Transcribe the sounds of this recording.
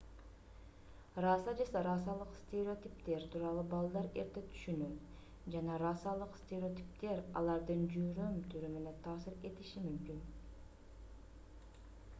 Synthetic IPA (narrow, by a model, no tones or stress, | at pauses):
rɑsɑd͡ʒeseɾɑs̬ɑlˠɯqst̪ʲeɾʲeo̞t̪ʲipt̪e̞ɾt̪ʰuːɾɑlˠubɑlˠd̪ɑɾe̞̰ɾt̪e̞t̪ʰy̥ʃynyː | d͡ʒɑnɑɾɑsɑlˠɯqst̪ʲeɾʲɪo̞t̪ʲi̥p̚t̪e̞ɾɑ̰lˠɑɾd̪ɯnd͡ʒyɾømt̪ʰyɾyme̞ne̞nt̪ʰɑːsɨɾe̞t̪iʃimymkyn